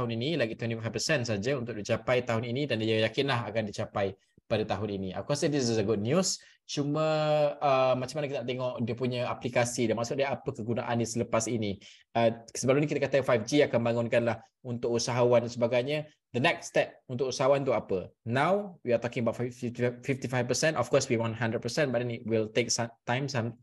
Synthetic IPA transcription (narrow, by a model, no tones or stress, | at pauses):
aɦʊninilaɡit̪wɛntiffajfpəsɛnsad͡ʒaunt̪ʊk̚dit͡ʃapajt̪aɦʊninĩdandiajakɪnlaɦakandit͡ʃapaj | padat̪aɦʊninia̰kasɛdiszəɡud̚njus | t͡ʃumə̃əmat͡ʃamanəkit̪ənaʔt̪eŋɔʔdiəpuɲəaplikasidamaʔsʊt̪̚daapəkəɡuna̰ʔanːisələpasini | əsəbalunikit̪əkat̪afajfd͡ʒiakambaŋʊnkanlah | unt̪ʊk̚usaɦawandansəbaɡajɲə | d̪ənɛk̚stɛp̚unt̪ʊk̚usaɦawant̪uapənãwwiat̪ɔkɪ̃ŋəbaʊtffiftifift̪ifajvpəsɛ̃ntɔfkɔswiwɔ̃nɦãndɾəd̚pəsɛ̃nbaʔ̚dɛnit̚wilt̪ek̚sat̪ãjmsãm